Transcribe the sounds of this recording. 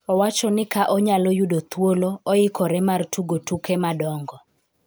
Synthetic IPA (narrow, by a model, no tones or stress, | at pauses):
ɔwat͡ʃɔnɪkaʔɔɲalɔjudot̪woloɔɪkɔɾɛmartʰuɡotukɛmadɔŋɡɔ